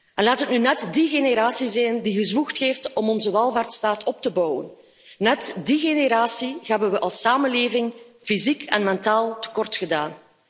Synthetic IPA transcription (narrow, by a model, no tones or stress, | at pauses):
ɛnlaːtɦətnynɛtdiɣeneɾaːsizɛjndiɣəzwuxtxeːftɔmɔnzəwɛlˠvaːrtstaːtʰɔp̚təbɔwə̰nː | ɛtdiɣeneɾaːsihɛbənwəʔɑlˠsaːmənleːvɪŋfizikʰɛnmɛntaːlˠtə̥kɔrtxədaːn